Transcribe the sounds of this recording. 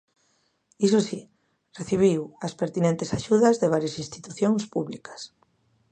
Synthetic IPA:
is̬osi | reθiβ̞iwɐspeɾt̪inẽnt̪e̥saʃuðɐzðeβ̞aɾjɐsĩnst̪i̥t̪uθjoŋspuβlikɐ̥s

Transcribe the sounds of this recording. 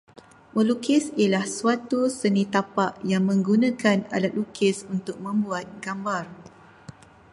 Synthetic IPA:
məlukɪsiəlahsuat̪usənit̪apaʔjaŋmə̃ŋɡunãkana̰dat̪̚lukʰɪsunt̪ʊk̚mə̃mbuat̪̚ɡambar

